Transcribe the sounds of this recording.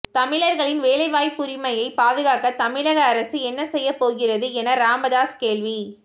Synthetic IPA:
t̪ɐmɪɭɐɾɣɐɭɪnʋeːɭɐɪʋaːjpːʊɾɪmɐjɐɪpaːðɯɣaːkɐt̪ɐmɪɭɐɣɐːɾɐsɯɛnːɐsɛjːɐpoːɣɪrɐðɯɛnɐɾaːmɐðaːskeːɭʋi

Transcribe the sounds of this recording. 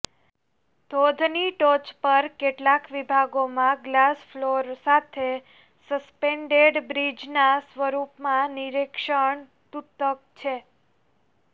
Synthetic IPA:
d̪̥ʱod̪ʱniʈot͡ʃpəɾkeʈlakʋibʱaɡomãɡlasfloɾsat̪ʰe | səspeɳɖeɖbɾid͡ʒnasʋəɾupmãniɾekʃəɳ | t̪ut̪ək̚t͡ʃʰe

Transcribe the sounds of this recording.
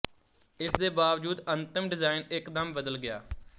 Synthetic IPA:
ɪsd̪eːbaːʋd͡ʒuːd̪ənt̪ɪmɖɪzaːɪnɪkd̪əmbəd̪əlɡɪja̰ː

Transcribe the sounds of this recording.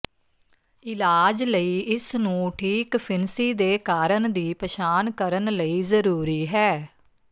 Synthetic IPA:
ɪlaːd͡ʒləiːɪsnũːʈʰiːkpʰɪnsiːd̪eːkaːɾəɳd̪iːpəʃaːnkəɾənləiːzəɾuːɾiːɦɛː

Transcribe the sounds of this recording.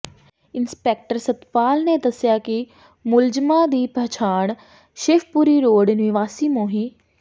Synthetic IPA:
ɪnspɛːk̚ʈəɾsət̪paːlneːd̪əsɪjaːkɪ | mʊld͡ʒmãːd̪iːpət͡ʃʰaːɳ̃ | ʃɪfpuːɾiːɾoːɖnɪʋaːsiːmoːɦiː

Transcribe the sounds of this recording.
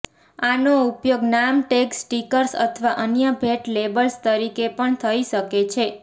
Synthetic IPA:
anoupjoɡnamʈeksʈikəɾsə̰t̪ʰəʋaʔənjəbʱeʈlebəlst̪əɾikepəɳt̪ʰəiʃəket͡ʃʰe

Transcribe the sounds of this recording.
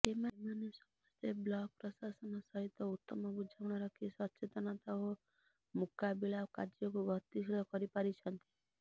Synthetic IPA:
emamanesɔmɔst̪ʰeblɔɡ̚pɾɔsasɔnɔsɔɦit̪ːɔut̪ːɔmɔbud͡ʒʱawɽ̃ɔɾɔkʰisɔt͡ʃet̪ɔnat̪ɔɦo | mukabilakad͡ʒjɔkubʱɔt̪isɭɔkɔɾipaɾit͡ʃʰɔnt̪i̥

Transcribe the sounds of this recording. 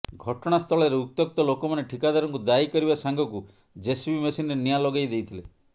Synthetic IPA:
ɡʱɔʈɔɽ̃ast̪ʰɔɭɔɾeuk̚t̪jɔk̚t̪ɔlokɔmaneʈʰikad̪aɾɔŋkud̪aikɔɾibasaŋɡʱɔku | d͡ʒesbimesinɾenijalɔɡajd̪ejt̪ʰile

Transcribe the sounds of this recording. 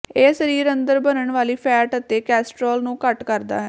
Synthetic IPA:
eːsəɾiːɾənd̪əɾbənəɳʋaːliːpʰɛːʈət̪ːeːkɛːsʈɾoːlnũːkəʈkəɾd̪a̰ːɦɛː

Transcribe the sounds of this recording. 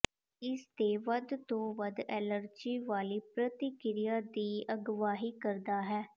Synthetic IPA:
ɪsd̪eːʋəd̪t̪õːʋəd̪ɛːləɾd͡ʒiːʋaːliːpɾət̪ikɪɾɪjaːd̪iːəɡʋaːɦiːkəɾd̪aːɦɛː

